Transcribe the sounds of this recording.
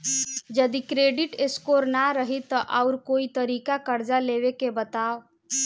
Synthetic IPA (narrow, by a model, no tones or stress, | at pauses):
d͡ʒəd̪ikɾeɖiʈeskoɾnaɾəɦit̪ːəʔaʊɾkoit̪əɾikakəɾd͡ʒaleʋekebət̪ao